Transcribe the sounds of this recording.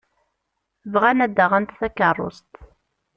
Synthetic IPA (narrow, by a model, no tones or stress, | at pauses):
vʁænæd̪ːəʁænt̪θækːərˤːo̰st̪